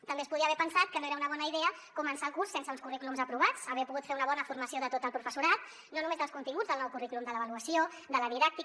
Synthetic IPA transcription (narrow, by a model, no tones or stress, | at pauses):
t̪əmbespuðiəβɛpənsat̪̚kənoeɾəunəβɔnəiðɛəkumənsaəlˠkursːensəunskuriklumzəpɾuβ̞at͡səβiəpuɣut̪feɾunəβɔnəfurməsioðət̪ot̪əlˠpɾufəsuɾat̪ | nonumezðəlˠskunt̪iŋɡud͡zðəlˠnɔwkuriklumd̪ələβəluəsio | d̪ələðiðak̚t̪i